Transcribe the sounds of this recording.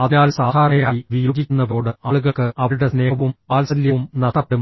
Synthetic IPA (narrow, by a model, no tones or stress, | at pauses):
ɐðjaːlsaːd̪ʱaːɾɐɳɐjaːiʋijuːd͡ʑikʲːunːɐbo̞ːɽɨɐɭuɣɐkːɨʔɐʋuɽesne̞ːɐʋumpaːlsɐljɐʋumnɐd̪ɐpːɽum